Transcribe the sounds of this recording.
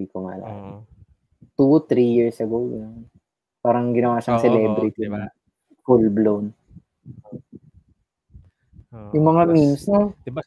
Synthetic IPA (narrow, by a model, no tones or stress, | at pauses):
ikoŋa̰la̰ | t̪ut̪ɾijiɹsɐɡowɡɐnon | paːɾɐŋɡɪnɐwaːʃɐŋsɛlɛbɾɪt̪inɐ | pulblon | jʊŋmɐŋamimsno